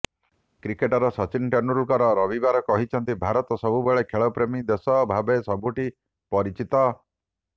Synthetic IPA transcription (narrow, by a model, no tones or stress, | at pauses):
kɾikeʈɔɾɔsɔt͡ʃinʈenuulkɔɾɔɾɔbibaɾɔkɔɦit͡ʃʰɔnt̪ibʱaɾɔt̪ɔsɔbubeɭekʰeɭɔpɾemid̪esɔbʱabesɔbuʈi | pɔɾit͡ʃit̪ɔ